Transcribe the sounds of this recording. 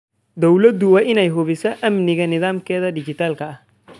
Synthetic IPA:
d̪ɔwlɐd̪ʊwaːʔɪnɛjɦʊβɪsɛʔɐmnɪɣɐnɪðaːmkɛːðɐɖɪd͡ʒɪt̪aːlkɐɐh

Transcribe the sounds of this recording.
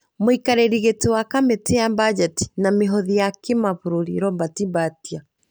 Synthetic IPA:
moikaɾeɾiɣetewakameteambad͡ʒɛti̥nameɦɔðijakemaβuɾoɾḭɾɔmbatibatia

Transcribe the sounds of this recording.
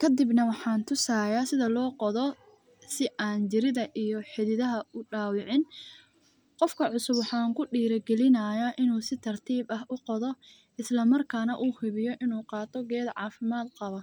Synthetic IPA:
kʰɐd̪ɪbnɐwɑħɑːnt̪ʰʊsaːjasɪðɐlɔːqɔðɔ | sɪʔaːnt͡ʃɪɾɪðɐʔijɔħɪðɪðɐɦɐʊɖaːwɪʕɪn | qɔfkʰɐʕʊsʊbwɑħɑːŋkʰʊɖiːɾɐɡɛlɪnaːjɐʔɪnuːsɪt̪ʰɐrt̪ʰiːbɐɦʔʊqɔðɔ | ɪslɐmɐrkʰaːnɐʔuːhɪβɪjɔʔɪnuːqɑːt̪ʰɔɡɛːd̪ʕɑ̰ːfɪmaːd̪qɑβɐ

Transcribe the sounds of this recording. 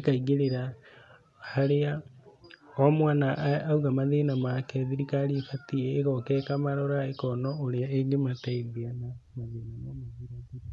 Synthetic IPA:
ikaiɡeɾeɾa | haɾea | omwanaʔːuɣamaðinamakɛðiɾikaɾifatieːɣɔkɛkamaɾɔɾaekɔnɔoɾeaeŋɡemataiðianamaðiːnamamaðiɾai

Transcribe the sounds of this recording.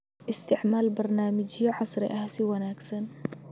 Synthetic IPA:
ʔɪst̪ɪʕmaːlbɑɾˤnaːmɪd͡ʒɪjːaʕɑsˤɾɪ̰ʔaːsiwanaːɡsan

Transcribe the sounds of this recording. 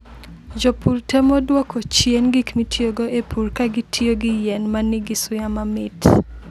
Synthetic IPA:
d͡ʒopurtɛmɔdwɔkot͡ʃjenɡikmitʰjoɡoepʰurkaɡitʰjoɡɪjɛnmanɪɡɪsʊjamamɪt

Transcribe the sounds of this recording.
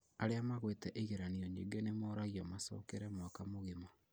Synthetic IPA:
aɾeamaɣwetɛʔeɣeɾanioɲeɡenemoɾaɣiɔmasɔ̰ːkeɾɛmwakamoɣema

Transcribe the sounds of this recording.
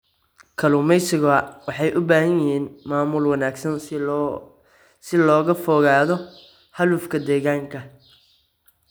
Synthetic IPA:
kʰɐlʊmɛjsɪɣɔɐwɑħɑjʔʊbaːhɐnjɪɦiːnmaːmʊlwɐnaːɡsɐn | sɪlɔːɣɐfɔːɣaːðɔ | hɐluːfkʰɐd̪ɛːɣaːŋkʰɐ

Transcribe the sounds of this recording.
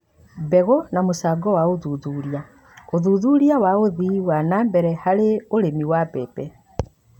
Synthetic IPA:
bɛɣɔnamosaːɡɔwaoðuðuːɾia | oðuːðuɾiawaoðiwanaːmbɛɾɛhaɾeoɾemiwapɛpɛ

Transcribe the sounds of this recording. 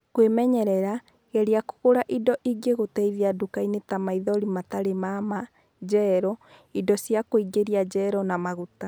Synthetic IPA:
kwemɛɲɛɾɛɾa | ɣɛɾiako̥ɣoɾaʔidɔʔiɡeɣotɛiðiadukainetamaiðɔɾimataɾemama | d͡ʑɛɾɔidɔsjakoiɡeɾiad͡ʑɛɾɔnamaɣuta

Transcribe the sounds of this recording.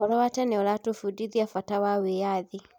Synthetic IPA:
ɔlɔwatɛnɛɔlatofudiðiafatawawejaði

